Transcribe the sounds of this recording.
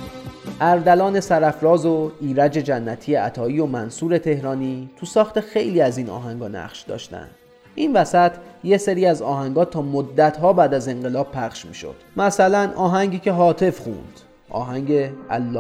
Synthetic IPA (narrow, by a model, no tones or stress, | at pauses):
ʔæɾd̪ælɒːne̞sæɾæfɾɒːzoiːɾæd͡ʒe̞d͡ʒænːæt̪ʰiːjeæt̪ʰɒːiːjomænsuːɾe̞t̪ʰe̞hɾɒːniːt̪ʰusɒːxt̪exe̞jliːæziːnɒ̰ːɦæŋɡɒːnæ̰ʁʃd̪ɒ̰ːʃt̪æ̰nd̪̥ | ʔinvæsæt̪ʰje̞seɾiːæzɒːɦæŋɡɒːt̪ʰɒːmod̪ːæt̪ɦɒːbæːd̪æze̞ŋɢe̞lɒːb̥̚pʰæχʃmḭːʃo̞̰d̪̥mæsælænʔɒːɦæɲɟiːcʰe̞ɦɒːt̪ʰe̞fxṵnd̪̥ | ʔɒ̰ːɦæŋɟeæ̰lːɒː